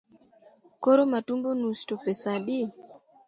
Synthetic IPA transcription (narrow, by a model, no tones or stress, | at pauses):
koɾomatumbonustopesadɪ